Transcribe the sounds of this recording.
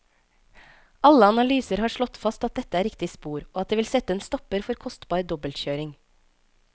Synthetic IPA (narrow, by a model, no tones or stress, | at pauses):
ɑləɑnɑlyːsəɾhɑːʃɭɔt̪fɑst̪ɑt̪̚d̪ɛt̪əæːɾɪkt̪ɪspuːɾoːɑt̪̚eːʋɪlsɛt̪əeːnst̪ɔpəɾfɔɾkʰɔst̪bɑːɾd̪ɔbəlt̪çøːɾɪŋ